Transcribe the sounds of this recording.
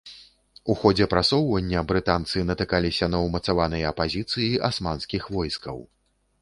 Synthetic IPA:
uxɔd͡zʲɛpɾasɔwvɐnʲːɐbɾɨt̪ant̪sɨnɐt̪ɨkalʲisʲɐnɐwmɐt̪savanɨjɐɐpazʲit̪sɨjiʔasmanskʲixvɔjskɐ̰w

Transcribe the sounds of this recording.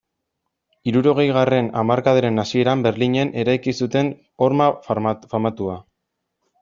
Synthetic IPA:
iɾuɾo̞ɣ̞e̞jɣ̞are̞namaɾkað̞eɾe̞nasie̞ɾambe̞ɾliɲe̞nʔe̞ɾajkisut̪e̞n | o̞ɾmafamat̪ua

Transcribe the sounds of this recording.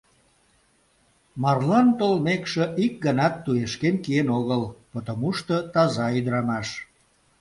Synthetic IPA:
mɑrlɑnt̪olmekʃĕʔik̚ɡənɑt̪ːueʃkenkienoɣəlpət̪əmuʃt̪ət̪ɑzɑyd̪ɾɑmɑʃ

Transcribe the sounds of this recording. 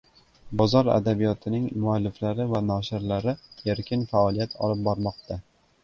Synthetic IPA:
bɒzɒɾa̰d̪abijɒt̪ʰɪnɪŋmʊalːɪflaɾɪvanɒʃɪɾlaɾɪeɾkʲɪnfaɒlˠijat̪ʰɒ̰lɪp̚bɒɾmɒq̚t̪ʰa

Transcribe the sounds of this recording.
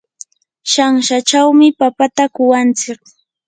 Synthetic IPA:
ʃaŋʃat͡ʃawmɪpapat̪akʊwant͡sɪk̚

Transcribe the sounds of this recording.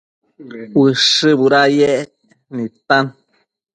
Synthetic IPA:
wɨʂɨbuɾajɛʔ | nit̪ãn

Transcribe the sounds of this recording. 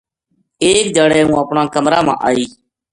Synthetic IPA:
eːk̚d͡ʒəɽɛːũːəpɳaːkəmɾaːmã̰ːʔaːiː

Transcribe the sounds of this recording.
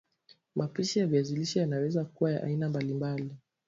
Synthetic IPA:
mʔapiʃijaviaziliʃajanawɛzakuwajaʔa̰inambalimbali

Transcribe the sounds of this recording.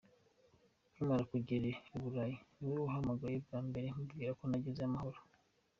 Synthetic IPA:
ɲimaɾakuɟeɾeoβuɾaːjinuɾiuɦamaɡajebɡaːmbeɾemubɡiːɾakonaɟezeamaho̞ɾo

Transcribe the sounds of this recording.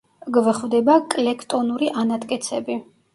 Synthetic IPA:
ɡvɛχvd̪ɛbakʼlɛkʰt̪ʼɔnuɾiʔanat̪ʼkʼɛt̪sʰɛbi

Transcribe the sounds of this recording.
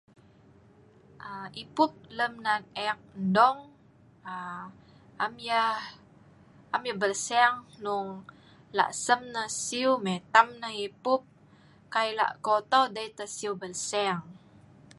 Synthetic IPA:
ʔaipup̚ləmnak̚ɛk̚ndɔŋ | a | ʔamja | ʔamjabəlsɛŋnuŋ | la̰ʔsəmnəsiumɛt̪amnəipup̚ | kajla̰ʔkot̪owdəjt̪əsiubəlsɛŋ

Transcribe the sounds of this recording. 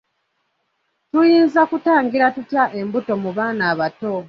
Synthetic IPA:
tujiːnzakutaːŋɡiɾatutjaʔe̞mbuto̞muβaːnaːβato

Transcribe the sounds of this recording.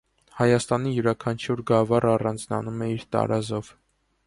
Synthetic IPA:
hɑjɑst̪ɑnijuɾɑkʰɑnt͡ʃʰjuɾɡɑvɑrɑrɑnd͡znɑ̰numɛiɾt̪ɑ̰ɾɑzɔv

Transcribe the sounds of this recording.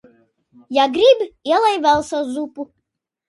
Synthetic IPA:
jaɡɾibʲiɛlˠajvælˠsazupu

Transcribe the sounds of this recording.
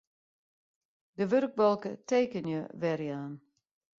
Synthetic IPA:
dəʋørɡ̚bɔlˠkətʰeːkənjəʋɛrjaːn

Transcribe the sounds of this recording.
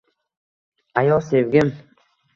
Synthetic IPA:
ajɔsevɡʲɪm

